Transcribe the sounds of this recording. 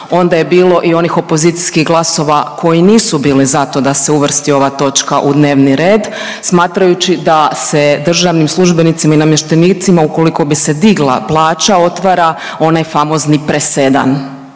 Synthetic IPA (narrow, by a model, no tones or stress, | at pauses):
o̞nd̪aje̞biːlˠo̞ʔio̞nixo̞po̞ziːt̪si̥skiɣɡlˠaso̞ʋakʰo̞jiniːsubiːlizat̪o̞d̪ase̞uʋr̩st̪io̞ʋat̪o̞t͡ʃkaʔud̪ne̞ːʋniɾe̞ːd̪ | smaːt̪ɾajut͡ɕid̪ase̞d̪r̩ʒaʋnimslˠuʒbe̞nit̪simainamje̞ʃt̪eniːt̪simauko̞liko̞bise̞d̪iɡlˠa̰plˠaːt͡ʃao̞t̪ʋaːɾa | o̞najfamo̞znipɾese̞d̪a̰n